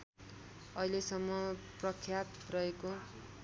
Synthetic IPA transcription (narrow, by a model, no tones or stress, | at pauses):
ʌɦilesʌmːʌprʌkʰːjat̪rʌɦeko